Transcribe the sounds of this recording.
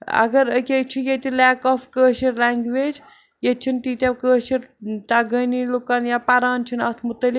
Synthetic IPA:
ɐ̰ɡɐɾəkʲet͡ʃʰijet̪ʲilɛːkɔfkəːʃiɾlaŋɡʋeːd͡ʒ | jet͡ʃʰint̪it̪ʲakəːʃiɾt̪aɡənilukanjapɐɾaːnt͡ʃʰina̰ːt̪ʰmut̪əli

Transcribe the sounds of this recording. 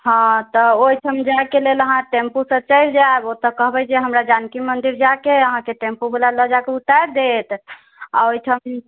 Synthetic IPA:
ɦɔ̃t̪ɔoiʈʰəmd͡ʒaekeleləɦãʈẽmpusət͡ʃəjld͡ʒaebot̪əkəɦbɛd͡ʒeɦəmɾad͡ʒankimənd̪iɾd͡ʒakeəɦãkeʈẽmpubelaləd͡ʒakeut̪aɾd̪et̪ | a̰oitʰəm

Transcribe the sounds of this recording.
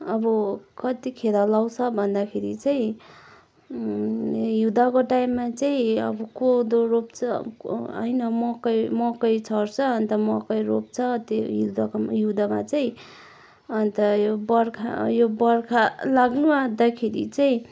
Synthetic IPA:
ʌbʌkʌt̪ikʰed̪alawt͡sʰʌbʱʌnd̪akʰeɾit͡saĩ | jud̪akoʈaimːat͡saĩʌ̰bʌkod̪oropt͡sʰʌ̰ʌ̰jnʌmʌkʌjmʌkʌjt͡sʰʌrt͡sʰʌʌnt̪ʌmʌkʌjɾop̚t͡sʰʌt̪ejud̪akjud̪ama̰t͡saĩ | ʌnt̪ʌjobʌrkʰa̰jobʌrkʰalaɡnumad̪akʰeɾḭt͡saĩ

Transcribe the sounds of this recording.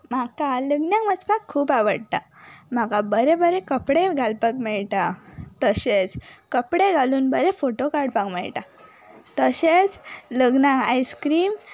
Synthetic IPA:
makaləɡnjãŋmət͡spakʰːuːpaʋəɽt̪a | makabəɾebəɾekəpɽeɡʱalpəkmɛɭʈat̪əɕet͡skəpɽeɡʱaluːnbəɾefoʈokaɾɖpãŋɡmɛ̰ɭʈa | t̪əɕet͡sləɡnãajskɾiːm

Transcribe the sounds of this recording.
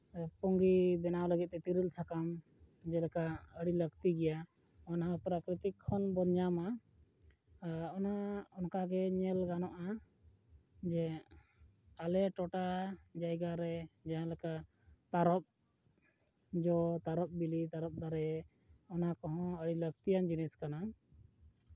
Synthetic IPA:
pɔŋɡibɛnawləɡit̪̚ˀːɛt̪iɾilsakam | d͡ʒɛlɛkaʔəɽiləɡt̪iɡɛja | ɔnaɦapɾakɾit̪ikʰːɔnbɔɲama | ɔnaɔnkaɡɛɲɛlɡanɔʔa | d͡ʒɛ | alɛʈɔʈad͡ʒajɡaɾɛd͡ʒaɦãlɛka | t̪aɾɔp̚ | d͡ʒɔt̪aɾɔp̚bilit̪aɾɔp̚d̪aɾɛ | ɔnakɔɦɔ̃əɽilək̚t̪ijand͡ʒinɛskana

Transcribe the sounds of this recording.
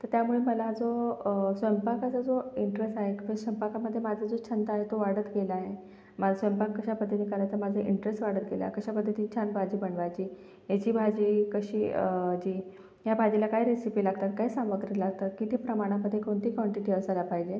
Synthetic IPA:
t̪əɾt̪jamuɭeməlad͡zosʋəmpakat͡sad͡zoiɳʈɾesʈaɦekbəsəmpakaməd̪ʱːjemad͡zʱad͡zot͡ɕʰənt̪aːɦet̪oʋaɽət̪ɡelaɦe | mad͡zasəjmpakːəɕapəd̪ʱːət̪ikaɾajt͡samad͡zʱaʔiɳʈɾesʈʋaɽət̪̚ɡela̰kəɕapəd̪ʱːət̪iːt͡ɕʰanbʱad͡ʑiːbəɳʋajt͡ɕiː | jet͡ɕiːbʱad͡ʑiːkəɕiːd͡ʑiː | jabʱad͡ʑilakaɦiɾesipiːlaɡt̪at̪kaɦiːsãmʋəɡɾəlaɡt̪at̪̚kit̪ipɾəmaɽ̃aməd̪ʱːjekoɳt̪iːkʋɔɳʈiʈiəsalapaɦid͡ʑe

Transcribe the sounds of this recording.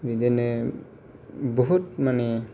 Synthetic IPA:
ɾid̪ene | boɦutmane

